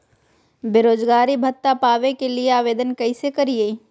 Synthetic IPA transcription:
beɾoːd͡ʒɡaːɾibʱɐt̪ːapaːʋekelieaːʋeːd̪ənkɐisekɐɾie

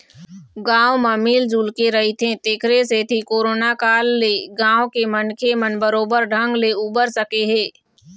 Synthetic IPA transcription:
ɡãːwməmiːld͡ʒuːlkeɾɐɦit̪ʰẽt̪eːkʰɾeset̪ʰikoːɾoːnakaːlːeɡãːʋõkemənkʰemənbəɾoːbəɾɖʱə̃ŋɡleubəɾsəkeɦeː

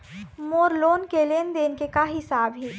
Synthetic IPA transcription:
moːɾloːnkeleːnd̪eːnkekaɦɪsaːbɦiː

